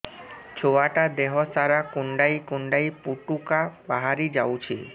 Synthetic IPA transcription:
t͡ɕʰoaʈad̪eɦɔsaɾakuɳɖajkuɳɖajpuʈukabaɦaɾid͡ʑawt͡ɕʰi

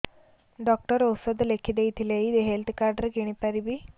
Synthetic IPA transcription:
ɖɔk̚ʈəɾowsəd̪lekʰid̪ejt̪ʰileid̪eɦelt̪kaɾɖəɾɡeɽ̃ipaɾibiː

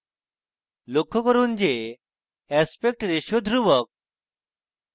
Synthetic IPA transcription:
lokʰːɔkəɾuːnd͡ʑe | æspek̚ʈɾeɕjod̪ʱɾuʋək̚

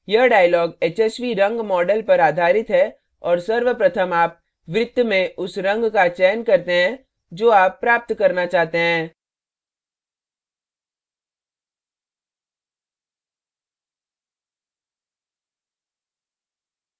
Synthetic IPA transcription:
jɐɦɖaːjlɔːɡeːt͡ʃɛːsʋiɾɐ̃ŋɡmɔːɖəlpɐɾaːd̪ʱaːɾɪt̪ɦɛ | ɔːɾsɐɾʋəpɾɐt̪ʰəmaːp̚ | ʋɾɪd̪mẽʔʊsɾɐ̃ŋɡkat͡ʃɛːnkɐɾt̪eɦɛ̃ | d͡ʒoːaːpːɾaːp̚t̪kɐɾnat͡ʃaːɦt̪eɦɛ̃ː

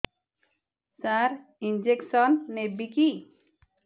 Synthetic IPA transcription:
saɾ | ind͡ʒeksʌnːebiki

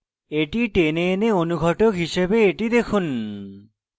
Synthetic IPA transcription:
eʈiʈeneeneonuɡʱɔʈokɦiʃebeeʈid̪ekʰun

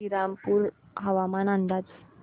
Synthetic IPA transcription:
iɾampuːɾɦəʋamanand̪at͡s

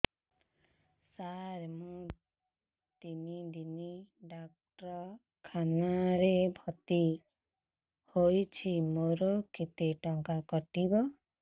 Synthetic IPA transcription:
saɾmũ | t̪inid̪iniɖak̚ʈɔ | kʰanaɾebʱɔt̪i | hojt͡ʃʰimoɾokit̪eʈɔŋkakɔʈibɔ

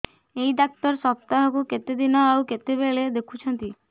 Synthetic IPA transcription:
eid̪ak̚t̪ɔɾsɔpt̪aɦɔkuket̪ed̪inɔawket̪ebeɭed̪ekʰut͡ʃʰɔnt̪i

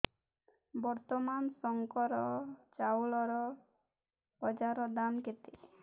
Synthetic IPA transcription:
bɔɾt̪ɔmansɔŋkɔɾɔt͡ʃawɭɔɾɔ | bɔd͡ʒaɾɔd̪anket̪e

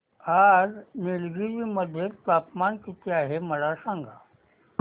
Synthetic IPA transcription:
ad͡znilɡiɾiːməd̪ʱjet̪apmankit̪ʰeaɦeməlasãŋɡʱa̰

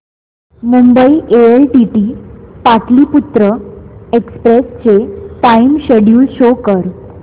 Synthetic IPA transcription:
mumbəiʔeelʈiʈiːpaʈ̪liːput̪ɾəekspɾest͡ɕeʈaimɕeɽjuːlɕokəɾ

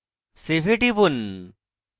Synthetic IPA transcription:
sebʱeʈibun

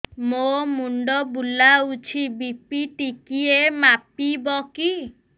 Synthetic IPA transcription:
momuɳɖɔbulaut͡ʃʰibipiʈikiemapibɔki

